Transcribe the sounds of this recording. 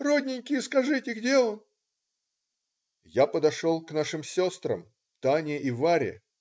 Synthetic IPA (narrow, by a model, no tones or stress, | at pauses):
rodʲnʲɪnʲkʲɪjskɐʐɨtʲɪɡdʲe̞on | japəd̪ɐʂolˠknaʂɨmsʲost̪ɾə̰m | t̪anʲɪʔivaɾʲɪ̰